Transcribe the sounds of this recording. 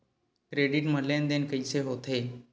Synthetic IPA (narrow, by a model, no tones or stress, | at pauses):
kɾeɖiʈməlend̪enkəjseɦot̪e